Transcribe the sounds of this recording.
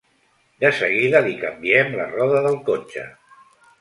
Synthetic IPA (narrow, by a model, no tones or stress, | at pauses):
d̪əsəɣiðəlikəmbiɛmlə̰rɔðəðəlˠkot͡ʃə̰